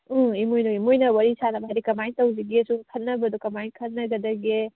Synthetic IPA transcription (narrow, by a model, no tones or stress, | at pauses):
imojnoimojnɐwɐɾisʰanɐbɐɦɾikɐmajntɐwziɡesuŋkʰɐt̚nɐbɐd̪ukɐmajnkʰɐt̚nɐɡɐd̪ɐɡe